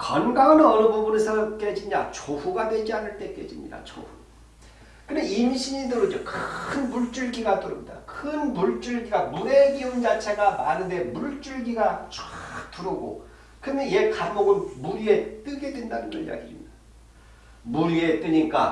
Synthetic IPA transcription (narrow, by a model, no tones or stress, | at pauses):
kʌnɡaŋɯnɯʌɾɯbobunesʰʌk͈ed͡ʑia̰t͡ɕoɸuɡadwe̞d͡ʑianɯɭt͈e̞k͈e̞̰d͡ʑimɲḭda̰t͡ɕo̰ɸu | kɯndeimɕʰiɲidɯɾɯd͡ʑʌkʰɯnmuɭt͡ɕ͈uɭɡiɡatuɾɯmɲida̰kʰɯnmuɭt͡ɕ͈uɭɡiɡamue̞ɡiund͡ʑat͡ɕʰe̞ɡama̰nɯnde̞muɭt͡ɕ͈uɭɡiɡat͡ɕtuɾɯɡo̰ | kɯndeje̞kammoɡɯnmuɾie̞t͈ɯɡe̞dwe̞ndanɯnɡʌɾḭja̰ɡḭmi̥da | muɾie̞t͈ɯɲik͈a